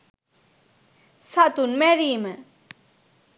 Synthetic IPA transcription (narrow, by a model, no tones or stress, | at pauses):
sʰaʔt̪unmɛrimə